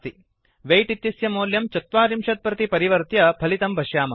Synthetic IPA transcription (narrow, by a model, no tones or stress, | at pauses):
t̪i | ʋejʈit̪ːisjɐmoːljɐmt͡ʃɐt̪ʋaːɾimʃɐt̪̚pɾɐt̪ipɐɾiʋɐɾt̪jɐpʰɐlit̪ɐmbʱɐʃjaːmɐ